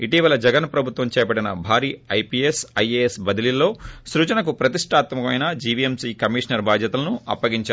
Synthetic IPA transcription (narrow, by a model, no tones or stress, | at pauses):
iʈiːʋɐlɐd͡ʒɛɡɐnpɾɐbʱut̪ʋɐmt͡ʃɛːɐpɐɽinɐbʱaːɾiːɐjpiːesɐjeesbɐd̪ililːo̞ːsɾut͡ʃɐnɐk̬upɾɐt̪iʂʈʰaːt̪mɐmɐmɐjnɐd͡ʒiʋiemsiːkɐmiʂnɐɾbaːd̪ʱjɐt̪ulɐnuɐ̰pːɐɡiɲt͡ʃaː